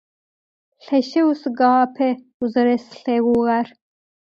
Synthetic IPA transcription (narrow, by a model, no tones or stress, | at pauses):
ɬeɕeusɡɑːpʰe | uzɐɾesɬeɡuɣaɾ